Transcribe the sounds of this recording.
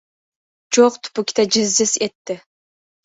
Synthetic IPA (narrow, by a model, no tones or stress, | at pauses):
d͡ʒoqt̪ʰu̥pukʲi̥t̪ʰad͡ʒɨzd͡ʒɪset̪ːɪ